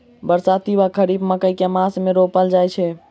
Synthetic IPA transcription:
bəɾsat̪ibakʰəɾibməkəjkemasmeɾopəld͡ʒajt͡ʃʰɛ

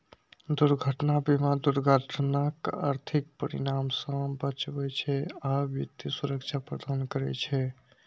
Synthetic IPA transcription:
d̪uɾɡʱəʈnabimad̪uɾɡʱət̪ʰnaka̰ɾt̪ʰik̚pəɾḭɾamsə̃bət͡ʃbɛt͡ʃʰɛabjət̪isuɾəkt͡ʃʰapɾəd̪ankəɾɛ̰t͡ʃʰɛ

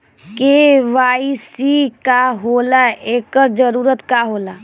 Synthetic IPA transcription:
keʋaːisikaɦoːlaeːkəɾd͡ʒəɾuːɾət̪kaːɦoːlaː

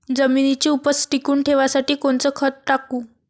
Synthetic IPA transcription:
d͡zəminit͡ɕiːupəsʈikuːɳʈʰeʋasaʈiːkoɳt͡səːkʰət̪̚ʈakuː

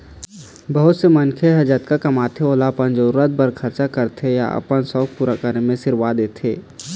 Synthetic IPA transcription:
bəɦʊt̪semənkʰeɦɐd͡ʒət̪kakɐmaːt̪ʰeoːlapənd͡ʒəɾuɾət̪̚bəɾkʰɐɾt͡ʃakəɾt̪ʰeja̰ʔə̰pənsɔːk̚puːɾakəɾemẽsɪɾwad̪eːt̪ʰeː

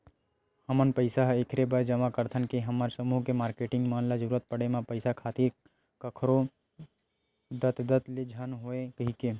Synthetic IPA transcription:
həmənpəɪsaɦekʰɾebəd͡ʒəmakəɾt̪ʰənkeɦəmaɾsəmuːɦkemaːɾkeʈɪ̃ŋɡmanlad͡ʒəɾuːɾət̪̚pəɽemãpəɪsakʰaːt̪iɾ | kəkʰɾo | d̪ət̪d̪ət̪led͡ʒʱənɦoekəɦike

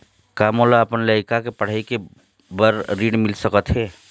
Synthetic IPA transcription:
kaːmoːlaəpənləɪkakepəɽ̤əike | bəɾɾiːɽmɪlsəkət̪ɦɛː

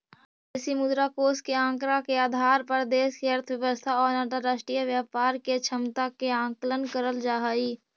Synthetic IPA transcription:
ɪsimʊd̪ɾakoːskeãːŋkɾakeaːd̪ʱaːɾpəɾd̪eːskiəɾt̪ʰʋjəʋəst̪ʰaɔːɾnaːʈ̪əɾaːʃʈɾijəʋjaːpaːɾket͡ʃʰəmt̪akeãːŋklənkəɾəld͡ʒaːɦaiː

